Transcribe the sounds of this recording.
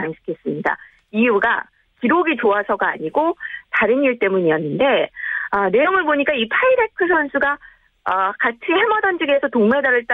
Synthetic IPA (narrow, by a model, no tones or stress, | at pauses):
aŋɕʰi̥kʰes͈ɯmɲida̰ | iuɡa̰ | kiɾoɡit͡ɕoasʰʌɡaa̰ɲiɡotaɾɯniɭt͈e̞muɲiʌnːɯnde̞ʌne̞omɯɭboɲik͈aipʰaiɾe̞kʰɯsʰʌnsʰuɡa | ʌkat͡ɕʰihemʌdand͡ʑiɡe̞sʰʌtoŋme̞daɾɯɭt͈a